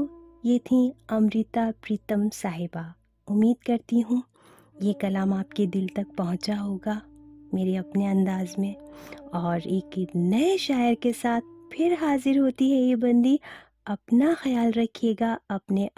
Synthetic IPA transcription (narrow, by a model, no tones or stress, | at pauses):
jeːt̪ʰĩɐmɾit̪apɾiːt̪əmsaːɦɪba | ʊmːiːd̪kɐɾt̪iɦũ | jekɐlaːmaːpked̪ɪlt̪ɐk̚pɐɦʊ̃t͡ʃaɦoːɡameːɾeɐpneɐ̃nd̪aːzmẽɔːɾeːknɐeʃaːjəɾkesaːt̪̚ʰpʰɪɾɦaːzɪɾɦoːt̪iɦɛjebɐ̃nd̪i | ɐpnaxɐjaːlɾɐkʰeːɡaɐpne